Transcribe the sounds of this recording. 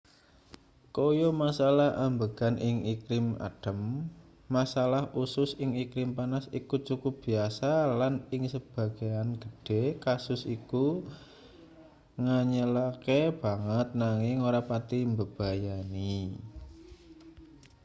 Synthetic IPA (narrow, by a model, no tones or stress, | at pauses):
kojomasalahambəɡ̥anʔɪŋikɾɪma̰ɖ̥ə̤mː | asalahʔusʊsɪŋikɾɪmpanasikut͡ʃukʊp̚b̥i̤asalanɪŋsəb̥a̤ɡ̥ijanɡ̥əɖ̥e̤kasʊsiku | ŋaɲəlakeb̥a̤ŋət̪̚naŋɪŋoɾapat̪imbəb̥a̤jani